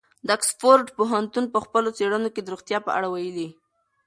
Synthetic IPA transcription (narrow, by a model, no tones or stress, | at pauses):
d̪əaksfoɾɖpoɦant̪unpəxpəlot͡seɽənoked̪əɾuɣt̪jɑpə̰ʔa̰ɽawajəli